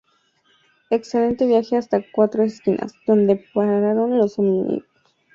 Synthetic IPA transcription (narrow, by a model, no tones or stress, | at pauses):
eksele̞nt̪e̞βjaxeast̪akwat̪ɾoeskinʔa̰sd̪̥o̞nd̪epaɾaɾaɾonlosominḭk